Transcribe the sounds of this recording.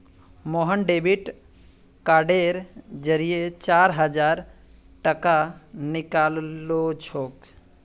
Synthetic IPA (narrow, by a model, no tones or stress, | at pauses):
moɦənɖebiʈ | kaɖeɾd͡ʒəɾijet͡ʃaɾɦəd͡ʒaɾ | ʈəkanikallot͡ʃʰok